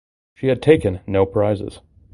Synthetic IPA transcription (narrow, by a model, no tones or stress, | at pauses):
ʃiɨd̚tʰeɪkɨ̃nːoʊpʰɹ̥aɪzɨ̰z̥